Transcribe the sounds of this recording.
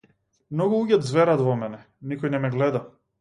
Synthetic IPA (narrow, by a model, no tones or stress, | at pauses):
mnɔɡuluɟʲɛt̪zvɛɾat̪vɔmɛnɛ | nikɔjnɛmɛɡlɛd̪a